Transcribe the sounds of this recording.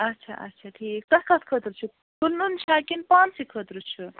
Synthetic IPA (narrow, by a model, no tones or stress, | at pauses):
ɐtːt͡ʃʰa̰ʔɐ̰tːt͡ʃʰaʈʰiːkt̪ɐkʰɐt̪ʰkʰət̪ɾt͡ʃʰu | kulnunt͡ʃʰakinpansikʰət̪ɾut͡ʃʰu